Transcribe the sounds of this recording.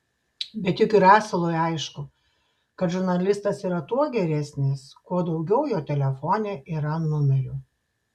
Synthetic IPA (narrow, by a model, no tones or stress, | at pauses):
bʲɛt̪jɪkʲɪɾæːsɐlˠoːjɑɪʃkʊ | kɐt̪ʒʊɾnɐlʲɪst̪ɐsiːɾɐt̪uɔɡʲɛɾʲæsʲnʲɪskuɔd̪ɒʊɡʲɛʊjoːt̪ʲɛlʲɛfɔːnʲeːʔiːɾɐnʊmʲɛɾʲʊ